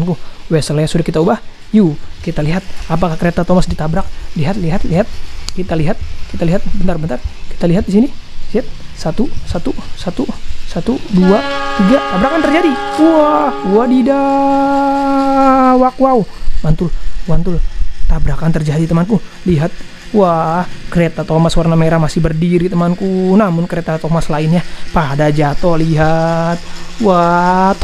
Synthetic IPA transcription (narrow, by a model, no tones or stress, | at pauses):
nkuwesəljasudakit̪aubah | jukit̪aliɦat̪̚ap̬akahkəɾet̪at̪omasdit̪abɾak̚liɦat̪liɦat̪liɦat̪̚kit̪aliɦat̪̚kit̪aliɦat̪̚bənt̪arbənt̪arki̥t̪aliɦat̪̚disiniliat̪̚sat̪usat̪usat̪usat̪uduat̪iɡat̪abɾakant̪ərd͡ʒadiuahduadida | wakuauwant̪ulwant̪ult̪abɾakant̪ərd͡ʒadit̪əmanku | liɦat̪̚ | wahkəɾet̪at̪omaswarnameɾamasɪhbərdiɾit̪əmankunamʊnkəɾet̪at̪omaslaɪnɲapadad͡ʒat̪ɔliɦat̪̚wat̪